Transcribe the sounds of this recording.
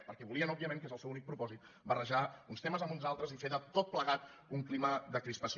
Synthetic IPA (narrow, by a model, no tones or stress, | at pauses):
pəɾkɛβuliənɔbiəmeŋkezəlˠsɛwunik̚pɾupɔzit̪ | bərəʒaunst̪eməzəmunzalˠt̪ɾəzifeðət̪ot̪̚pləɣat̪uŋkliməðəkɾispəs